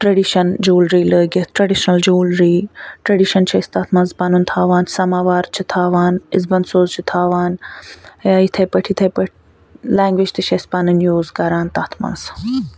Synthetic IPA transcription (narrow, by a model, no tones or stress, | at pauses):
ʈɾɐɖiʃɐnd͡ʒuːlɾiːləːɡɐt̪ʰʈɾɐɖiʃnɐld͡ʒuːlɾiːʈɾɐɖiʃɐnt͡ʃʰɐst̪aːt̪ʰmaːnzpaːnunt̪ʰaːʋaːnsɐmaːʋaːɾt͡ʃʰit̪ʰaːʋaːnizbɐnd̪soːzt͡ʃʰit̪ʰaːʋaːn | aːit̪ʰɐjpɐʈʰit̪ʰɐpɐʈʰ | lɛ̃ːŋɡʋid͡ʒt̪ɨʃɐspaːnɨnjuːzɡɐɾaːnt̪aːt̪ʰma̰ːnz